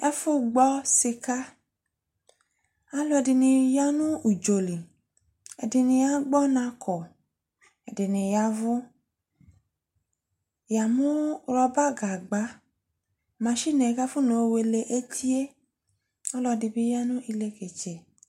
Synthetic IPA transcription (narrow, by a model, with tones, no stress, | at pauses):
ɛ˦fu˦ɡ͡bɔ˦si˧ka˦ | a˦lɔ˧ɛ˧di˧nĩ˧ja˦nũ˦u˨d͡ʒo˨li˨ | ɛ̰˨di˧nĩ˧a˦ɡ͡bɔ˦nã˧˦kʰɔ˨ | ɛ˨di˨nĩ˧ja˧vu˦ | ja˨mũ˦ɾɔ˧ba˦ɡa˨ɡ͡ba˨˦ | mã˨˧˦ʃi˦˨nɛ˨˧ka˦fu˦no˨˦˧we˧le˧ʔe˦tʰi˦e˦ | ɔ˦lɔ˧di˧bi˦ja˦nũ˦ʔi˧le˧ke˨t͡ʃɛ˨